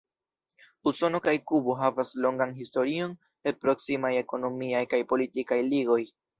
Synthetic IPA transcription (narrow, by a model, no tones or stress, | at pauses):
uso̞no̞kajkuboɦavaslo̞ŋɡanɦisto̞ɾio̞n | epɾo̞ksimaje̞ko̞no̞miajkajpo̞litikajliɡo̞j